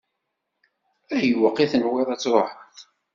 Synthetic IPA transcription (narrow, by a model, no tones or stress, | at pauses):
æjəwəqːiθnwɪɾˤæt͡sːɾˤħəθ